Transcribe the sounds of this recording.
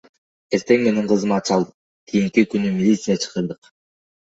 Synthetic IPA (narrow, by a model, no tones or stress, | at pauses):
eɾt̪e̞ŋmeniɴqʰɯzɯmɑt̪̚t͡ʃɑlˠd̪ɯ | kʰijiŋkikynymilʲit̪sijat͡ʃʰɯ̥qɯɾd̪ɯq